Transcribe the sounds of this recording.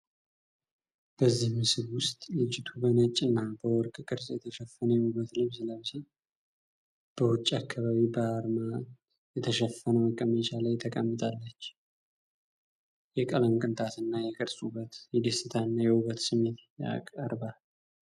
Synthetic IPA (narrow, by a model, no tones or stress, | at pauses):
b̥əzːihmɨsɨβwʊst̪ʼlɨt͡ʃːɪt̪ʰubənət͡ʃʼːɨnːabəwɔɾkʼkʼɨɾsjɛt̪ʰəʃɛfːənəubːət̪lɨβsɨləβzi | b̥əwʊt͡ʃʼːakʰːaβaβibəaɾma | jɛt̪ʰəʃɛfːənəwəkʼːəmt͡ʃaləjɪt̪ʰːəkʼəmːɨt̪ʼalːət͡ʃː | jɛkʼələnkʼɨnt̪ʰʼat̪ɨnːajɛkʼəɾsʼubːət̪jɛd̪esɨt̪ʰanːajɛuβət̪sɨme̞t̪ja̰kʼəɾba